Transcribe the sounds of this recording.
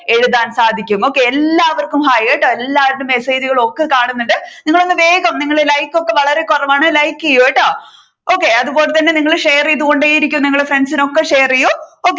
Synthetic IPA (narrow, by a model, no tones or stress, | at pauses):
e̞ɻuðaːnsaːd̪ʱikʲːumo̞ːkːe̞elːaːɐʋɐrkumɦaːjeːʈːaelːaːɾʈːumːeseːd͡ʑiɣɐɭo̞kːekaːɳunːuɳɖɨniŋːɐɭo̞nːɨʋe̞ːɡɐmniŋːɐɭelɐjkːo̞kːe̞ʋɐɭɐɾe̞kurɐʋaːɳɨlɐjkːijoːeʈːa | o̞ːkːe̞ɐðubo̞ːlet̪ɐnːe̞niŋːɐɭʂeːriiðuɣo̞ɳɖeːjiɾik̬ʲːumniŋːɐɭefrensino̞kːeʂeːrijooːkː